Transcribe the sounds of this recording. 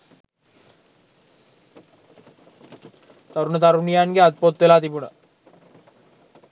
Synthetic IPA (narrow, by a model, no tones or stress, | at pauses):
t̪aɾunət̪aɾunijaːnɡeat̪̚pot̪ːʋelaːt̪ibunə